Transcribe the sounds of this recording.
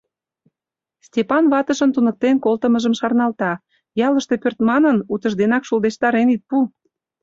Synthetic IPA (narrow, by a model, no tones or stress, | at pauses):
stʲepɑnβɑt̪əʃənt̪unək̚t̪enkolt̪əməʒəmʃɑrnɑlt̪ɑ | jɑləʃt̪e̽pørt̪mɑnənut̪ə̆ʒd̪enɑkʃuld̪eʃt̪ɑɾenit̪̚pu